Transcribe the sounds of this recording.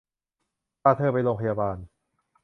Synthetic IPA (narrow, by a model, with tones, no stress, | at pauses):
aː˥˧˩t̪ʰɤː˥˧˩pa˧jloː˧ŋpʰa˧jaː˧baː˧n